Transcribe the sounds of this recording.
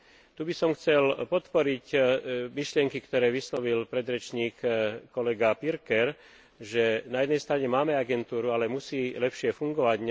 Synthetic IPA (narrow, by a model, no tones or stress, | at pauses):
t̪ubisɔmxt͡sɛlpɔt̪pɔɾicmiʃlɪɛŋkikt̪ɔɾɛːʋislɔʋilpɾɛd̪ɾɛt͡ʃɲiːkːɔlɛɡapiɾkɛɾ | ʒɛnajɛd̪nɛjst̪ɾaɲɛmaːmɛaɡɛnt̪uːɾualɛmusiːlɛpʃɪɛfuŋɡɔʋaɟɲ